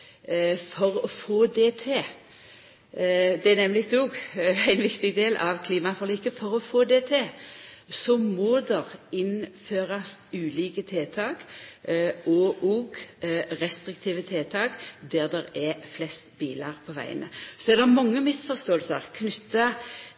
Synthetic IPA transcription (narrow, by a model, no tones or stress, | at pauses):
fɔɾɔfoːd̪eːt̪ʰeː | d̪ɛænɛmlɪt̪ʰuɡæɪnʋɪkt̪ɪɡd̪eːlʔɑʋkʰliːmɑfɔʁliːkəfɔɾɔfoːd̪eːt̪ʰeː | sɔmɔːd̪ɛʁɪnføːʁɑsʉːliːkət̪ʰeːt̪ʰɑːk | ʔɔʔoːɡɾɛst̪ɾɪk̚t̪ʰiːʋət̪ʰeːt̪ʰɑːkd̪æʁd̪ɛɾɛflɛst̪biːlɑʁpʰɔʋæ̰ɪə̰nə̰sɔɛɾd̪ɛʁmɑŋːəmɪsfɔʁst̪oːəlsəʁkʰnʏt̪ːɑ